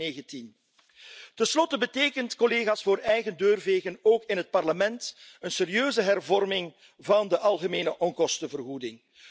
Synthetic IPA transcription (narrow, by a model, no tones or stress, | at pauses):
eːɣəntin | tənslɔtəbəteːkəntkɔleːɣaːsfoːɾɛjɣəndøːrveːɣənoːkɪnɦət̚pɑrləmɛntənseːɾijøːzəɦɛrvɔrmɪŋ | vɑndəʔɑlˠɣəmeːnəʔɔŋkɔstəvərɦudɪŋ